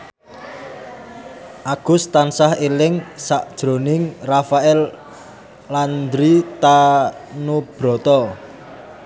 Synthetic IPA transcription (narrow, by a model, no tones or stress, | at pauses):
ʔaɡ̥ʊ̤st̪ansahelɪŋsaʔd̥ʒ̥ɾo̤nɪŋrafaɛlː | and̪ɾit̪anub̥ɾɔ̤t̪ɔ